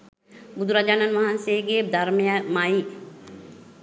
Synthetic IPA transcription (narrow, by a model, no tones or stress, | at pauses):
bud̪uɾad͡ʒaːnanʋaɦanseɡeːd̪ʱaɾmejamai